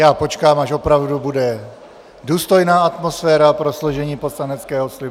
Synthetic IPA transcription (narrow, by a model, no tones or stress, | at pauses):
jaːpo̞t͡ʃkaːmaʃo̞pɾavdubudɛ | duːst̪o̞jnaːat̪mo̞sfɛːɾapɾo̞slo̞ʒɛɲiːpo̞slanɛt͡skɛːɦoslɪ